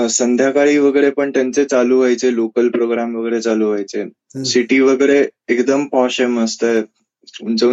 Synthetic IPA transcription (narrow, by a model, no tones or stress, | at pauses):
sənd̪ʱjakaɭiːʋəɡəɾepəɳt̪jant͡set͡saluʋajt͡selokəlpɾoɡɾamʋəɡəɾet͡saluʋajt͡se | siʈiːʋəɡəɾeekd̪əmpɔɕeməst̪aj | unt͡se